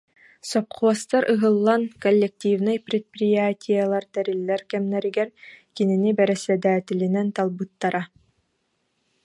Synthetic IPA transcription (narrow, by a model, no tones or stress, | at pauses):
sɔp̚χuɔst̪aɾɯɦɯlˠːankɔlʲːɛk̚t̪ʲivnajpɾʲɛt̪̚pɾʲijaːt̪ʲijalˠaɾt̪ɛɾilːɛɾkɛmnɛɾiɡɛɾkininibɛɾɛsɛd̪æːt̪ʲilinɛnt̪alˠbɯt̪ːaɾa